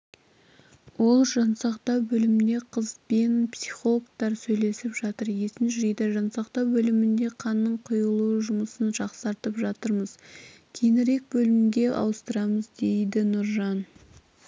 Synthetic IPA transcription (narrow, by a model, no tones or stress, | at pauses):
wo̞lˠʒɑnsɑqt̪ɑwbɵlɪmd̪e̞qʰəzpenpsi̥χolˠok̚t̪ɑɾsɵjle̞sɪpʒɑt̪əɾje̞sɪnʒʏɾejd̪ɪʒɑnsɑqt̪ɑwbɵlɪmɪnd̪e̞qʰɑnːəɴqʰʊjəlˠuʒʊməsənʒɑqsɑɾt̪əpʒɑt̪əɾməz̥ | kʲʰenɪɾe̞k̚bɵlɪmɪmɡʲe̞ʔɑ̰wəst̪əɾɑməzd̪e̞jd̪ɪnʊɾʒɑn